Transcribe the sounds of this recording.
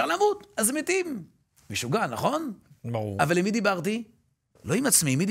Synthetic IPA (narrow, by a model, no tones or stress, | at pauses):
alamut̪azemet̪im | meʃuɡanaχo̞nbuavalimid̪ibaʁt̪i | lo̞imat͡smimid̪